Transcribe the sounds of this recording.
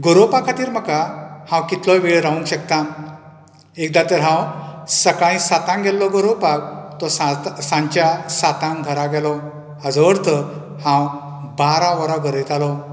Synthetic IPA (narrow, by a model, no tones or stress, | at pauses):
ɡoɾopakʰat̪iːɾm̤əkahãwkit̪lɔʋiɭɾaũŋkɕək̚t̪ã | ek̚d̪at̪əɾɦãwsəkaɭ̃ĩsat̪ãŋɡʱɛlːɔɡoɾowpak̚t̪ɔsasãɲt͡ɕjasat̪ãŋɡʱəɾaɡɛlɔ | əd͡zɔəɾt̪ʰə | hãw | baɾãʋəɾaɡʱəɾet̪alɔ